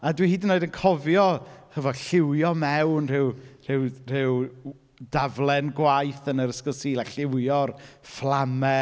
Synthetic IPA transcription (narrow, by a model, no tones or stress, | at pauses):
adwihiːdənːoɨdənkʰɔvjɔhəvɔɬɪwjɔmɛwnr̥ɪwr̥ɪwr̥ɪw | davlˠɛnɡwajθənəɾəskɔsiːlˠaɬɪwjɔrflˠamɛ